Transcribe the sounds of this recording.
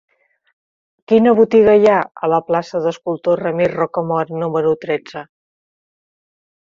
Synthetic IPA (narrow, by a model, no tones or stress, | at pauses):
kinəβut̪iɣəjaə̰ləplasəðəskulˠt̪orəmiɾrɔkəmɔɾnuməɾut̪ɾɛd͡zə